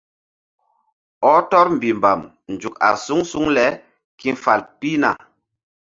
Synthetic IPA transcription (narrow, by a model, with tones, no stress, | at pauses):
ɔ˦tɔ˦ɾm˨bi˨mba˨m | nd͡ʒu˨ka̰˨su˦ŋsu˦ŋlɛ˦ | ki˦fa˨lpi˦na̰˨